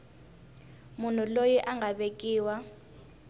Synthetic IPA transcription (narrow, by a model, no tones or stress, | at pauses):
mun̤ulojiʔaŋɡʱaɓekʼiːwa